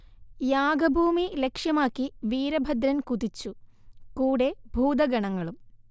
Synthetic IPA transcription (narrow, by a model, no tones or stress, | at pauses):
jaːɡɐbʱuːmilekʂjɐmaːkːiʋiːɾɐbʱɐd̪ɾɐnkud̪it͡ɕːukuːɽe̞bʱuːd̪ɐɡɐɳɐŋːɐɭum